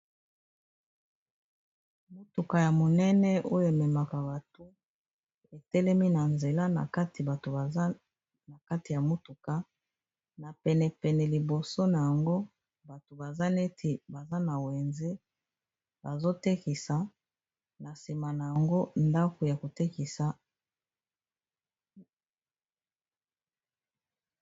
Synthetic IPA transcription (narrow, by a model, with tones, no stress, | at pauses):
mo˦tu˨ka˨ja˨mo˨nɛ˦nɛ˦o˦jo˨e˨mɛ˨ma˨ka˨ba˨tu˦ | e˨tɛ˦lɛ˦mi˦na˨nze˨la˦na̰˨ka˦ti˨ba˨to˨a˨˦ | na˨ka˦ti˨ja˨mo˦tu˨ka˦ | na˨pɛ˨nɛ˨pɛ˨nɛ˨li˨bo˨so˦na˨ja˨ŋɡo˦ | ba˨to˨ba˨za˦ne˦tʰi˨ba˨za˦na˨we˨nze˦ | ba˨zo˦tɛ˦ki˨sa˨ | na˨si˨ma˨na˨ja˨ŋɡo˦nda˦ko˨ja˨ko˨tɛ˦ki˨sa˨